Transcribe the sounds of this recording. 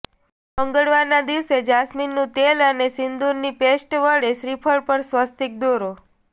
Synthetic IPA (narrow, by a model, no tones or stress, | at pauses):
əŋɡəɭʋaɾnad̪iʋsed͡ʒasminːũt̪elənesɪnd̪uɾnipesʈʋəɭeʃɾipʰəɭpəɾsʋəst̪ik̚d̪oɾo